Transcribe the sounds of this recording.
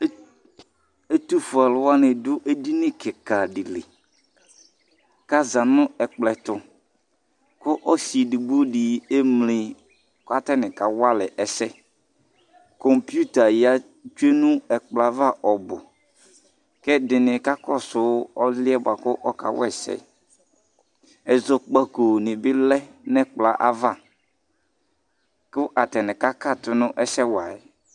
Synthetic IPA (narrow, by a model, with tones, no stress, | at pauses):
e˦tu˦fu˨a˨lʊ˨wa˦nɪ˨dʊ˦ʔe˦di˦nɪ̃˦kʰɪ˨ka˨dɪ˨lɪ̰˨ | ka˦za˨nʊ̃˦ɛ˨k͡plɛ˨tʊ˨ | kʊ˦ʔɔ˦si˨dɪ˨bo˦di˨e˦mlɪ˨ | ka˦tɛ˦nɪ̃˨ka˨wa˦lɪ˨ʔɛ˨sɛ˦ | kɔ˨mpju˦ta˨ja˦ | d͡ʒe˦nũ˦ɛ˨k͡pla˨va˦˨ʔɔ˨bʊ̰˨ | kɛ˦dɪ˨nɪ̃˨ka˦kɔ˦˨sʊ˨˦ɔ˦lɪ˦ɛ˦bʊ˨a˨kʊ˦ʔɔ˦ka̰˨wɛ̰˦˨sɛ̰˨ | ɛ˨zɔ˨k͡pa˨ko˨nɪ̃˨bɪ˦lɛ˦nɛ̃˦k͡pla˨ʔa˦va˦˨ | kʊ˦ʔa˨tɛ˨nɪ̃˨ka˦ka˦˨tʊ˨nʊ̃˦ʔɛ˦sɛ˦wa˨ɛ˨